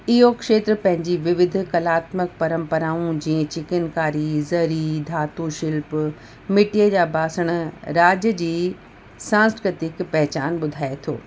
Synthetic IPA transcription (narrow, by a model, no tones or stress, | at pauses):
ɪɦokʃeːt̪ɾəpɐ̃ɦɪ̃ɲd͡ʑiʋɪʋɪd̪ʱʊ̆kɐlaːt̪mək̚pɐɾə̃mpɐɾaːũd͡ʑiːẽt͡ɕɪkɪnkaːɾizɐɾid̪ʱaːt̪uʃɪlp | mɪʈijəd͡ʑaːbaːsəɽ̃̆ɾaːd͡ʑəd͡ʑiː | sãːskɾɪt̪ɪkpɛɦt͡ɕaːnɓʊd̪ʱaːet̪ʰo̰ː